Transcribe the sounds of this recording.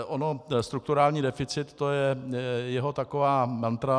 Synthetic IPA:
ʔono̞st̪ɾuk̚t̪uɾaːlɲiːdɛfɪt͡sɪt̪t̪ːojɛjɛɦot̪akovaːmant̪ɾa

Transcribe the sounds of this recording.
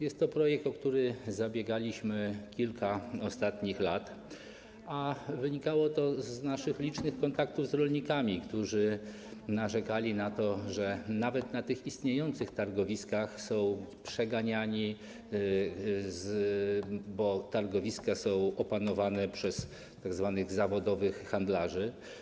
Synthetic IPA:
jɛst̪ːɔpɾɔjɛk̚t̪ɔkt̪uɾɘzabʲjeɡalʲiɕmɘkʲilkʰaɔst̪at̪ɲixlat̪ | avɘɲikawɔt̪ɔznaʂɘxlʲit͡ʂnɘxkɔnt̪ak̚t̪uvzɾɔlɲikamʲikt̪uʐɘ | naʐɛkalʲinat̪ɔʐɛnavɛt̪nat̪ɘxist̪ɲejɔnt̪sɘxt̪aɾɡɔvʲiskaxsɔ̃w̃pʂɛɡaɲaɲi | z | bɔt̪aɾɡɔvʲiskasɔ̃w̃ɔpanɔvanɛpʂɛs | t̪aɡzvanɘɣzavɔd̪ɔvɘxːand̪laʐɘ

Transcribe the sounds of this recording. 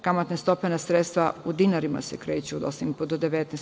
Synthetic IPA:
kamat̪nest̪openasɾet̪st̪ʋaud̪inaɾima̰sekɾeːt͡ɕud̪osimipud̪od̪eʋet̪nes

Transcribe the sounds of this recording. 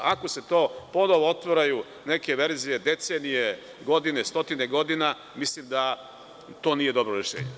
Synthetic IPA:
ako̞se̞t̪o̞ːpo̞noʋoot̪ʋoɾaju | ne̞ke̞ʋe̞ɾzije̞d̪e̞t̪seːnije | ɡo̞d̪ine̞st̪o̞t̪ine̞ɡo̞d̪ina | mislimd̪a | t̪o̞ːnije̞d̪o̞bɾoɾeʃḛːɲe

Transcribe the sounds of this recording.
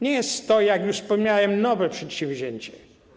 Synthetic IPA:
ɲɛjɛst̪t̪ːɔjakjuʂspɔmɲawɛmnɔvɛpʂɛt̪ɕɛ̃ɱvʲʑeɲt͡ɕɛ

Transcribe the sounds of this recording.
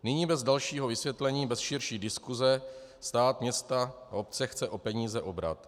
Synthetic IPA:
nɪɲiːbɛzdalʃiːɦo̞vɪsvjɛt̪lɛɲiːbɛsʃɪɾʃiːdɪskuzɛst̪aːt̪mɲɛst̪aaop̚t͡sɛxt͡sɛʔo̞pɛɲiːzɛʔo̞bɾa̰t̪

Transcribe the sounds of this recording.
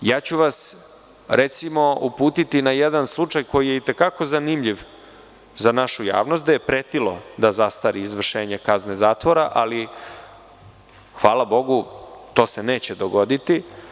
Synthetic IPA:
jaːt͡ɕuʋas | ɾʔet̪simo̞upuːt̪it̪inajed̪anslˠut͡ʂajko̞jije̞it̪e̞kako̞zanimʎiʋ | zanaʃuja̰ːʋnost̪̚d̪ajepɾet̪ilo̞d̪azast̪aɾiːzʋr̩ʃe̞ːɲekaznezaːt̪ʋo̞ɾaʔali | xʋaːlabo̞ɡut̪o̞ːsene̞ːt͡ɕed̪oɡo̞d̪it̪i

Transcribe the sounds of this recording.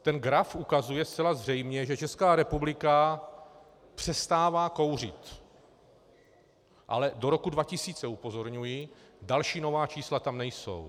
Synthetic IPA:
t̪ɛnɡɾafʔukazujɛstt͡sɛlazr̝ɛjmɲɛʒɛt͡ʃɛskaːɾɛpublɪka | pr̝̥ɛst̪aːvaːko̞wr̝ɪ̰t̪ | ʔa̰lɛdo̞ɾo̞kudvacɪsiːt͡sɛupo̞zo̞ɾɲujɪdalʃiːno̞vaːt͡ʃiːslat̪amnɛjso̞̰w

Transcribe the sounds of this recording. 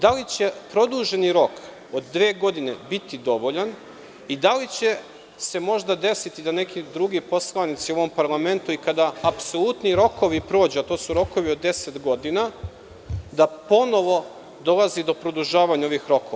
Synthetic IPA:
d̪alit͡ɕe̞pɾo̞d̪uʒe̞niɾo̞k | od̪ːʋe̞ːɡo̞d̪ine̞bit̪id̪o̞ʋo̞ʎan | id̪alit͡ɕe̞ | se̞mo̞ʒd̪ad̪e̞sit̪id̪ane̞kid̪ɾuɡipo̞slˠanit̪sioʋo̞mpaɾlˠame̞nt̪uikad̪aːpso̞lˠut̪niɾo̞koʋipɾo̞ːd͡ʑeat̪oːsuɾo̞ko̞ʋiod̪ːe̞set̪ɡo̞d̪ina | d̪apo̞no̞ʋo̞ | d̪o̞lˠazid̪o̞pɾo̞d̪uʒaːʋaɲao̞ʋixɾo̞koʋa

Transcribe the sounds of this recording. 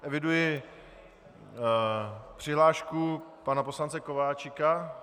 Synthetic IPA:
ʔɛvɪdujɪ | pr̥ɪɦlaːʃkupanapo̞slant͡sɛkovaːt͡ʃɪka

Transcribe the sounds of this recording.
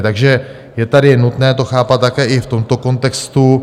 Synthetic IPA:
t̪aɡʒɛ | jɛt̪adɪnut̪nɛːt̪oxaːpat̪t̪ːakɛːʔɪft̪o̞mt̪o̞ko̞nt̪ɛkst̪u

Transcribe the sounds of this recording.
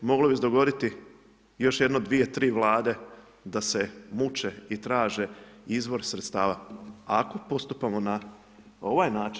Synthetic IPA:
mo̞ɡlobized̪o̞ɡo̞d̪it̪i | jo̞ʃjd̪nod̪ʋije̞t̪ɾiːʋlˠaːd̪e̞ | d̪ase̞mut͡ʃeit̪ɾaːʒeizbo̞ɾsɾe̞t̪st̪aːʋaako̞po̞st̪upamo̞na | o̞ʋajnaːt͡ʃ

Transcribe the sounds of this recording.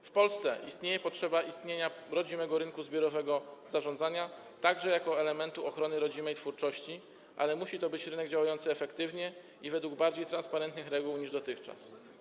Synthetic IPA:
fpɔlst̪sɛ̰ʔist̪ɲejɛpɔtʂɛbaʔist̪ɲeɲaɾɔd͡ʑimɛɡɔɾɘnŋkuzbʲjɔɾɔvɛɡɔzaʐɔnd̪zaɲa | t̪aɡʐɛjakɔɛlɛmɛnt̪uɔxɾɔnɘɾɔd͡ʑimɛjt̪fuɾt͡ʂɔɕt͡ɕi | ʔa̰lɛmuɕit̪ɔbɘt͡ɕɾɘnɛɡd͡ʑawajɔnt̪sɘɛfɛkt̪ɘvɲɛ | ivɛd̪wuɡ̚baɾd͡ʑejt̪ɾanspaɾɛnt̪nɘxɾɛɡuwɲiʐd̪ɔt̪ɘxt͡ʂa̰s

